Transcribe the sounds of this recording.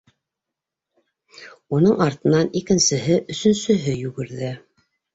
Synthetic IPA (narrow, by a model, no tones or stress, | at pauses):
unɤɴɑɾt̪ɤ̆nɑnikɘ̆nsɘ̆ɦɘʔɵ̆sɵ̆nsɵ̆ɦɘjʉɡɘ̆ɾðɘ